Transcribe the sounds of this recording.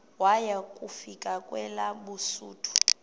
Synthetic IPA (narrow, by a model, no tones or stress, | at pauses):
wajakʼufikʼakʼwɛlaɓusuːtʰu̥